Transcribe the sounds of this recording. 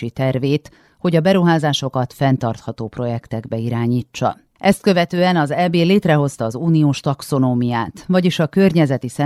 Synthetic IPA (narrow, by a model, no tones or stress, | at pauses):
it̪ɛrveːt̪ | ho̞ɟɒbɛɾuɦaːzaːʃo̞kɒt̪fɛnt̪ɒrt̪hɒt̪oːpro̞jɛkt̪ɛɡbɛiɾaːɲiːt͡ʃːɒ̰ | ʔɛst̪̚kø̞vɛt̪øːɛnɒzɛbeːleːt̪rɛɦo̞st̪ɒːzuːnioːʃt̪ɒkso̞noːmijaːt̪vɒɟiʃɒkørɲɛzɛt̪isɛ